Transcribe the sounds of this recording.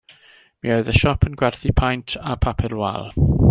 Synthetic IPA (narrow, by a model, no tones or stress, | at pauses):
miɔɨðəʃɔpʰənɡwɛrθipʰajntʰapʰapʰɪlwa̰lˠ